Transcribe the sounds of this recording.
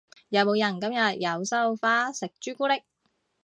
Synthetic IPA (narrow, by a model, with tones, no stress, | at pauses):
jɐ˨˧wmo˨˧wjɐ˨˩nkɐ˥mjɐ˨t̚jɐ˨˧wsɐ˥wfaː˥sɪ˨k̚t͡ʃyː˥kuː˥lɪ˥k̚